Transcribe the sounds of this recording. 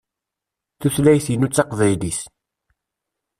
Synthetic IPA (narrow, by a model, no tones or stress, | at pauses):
θuθlæjθjənut͡sːɑqvæjlis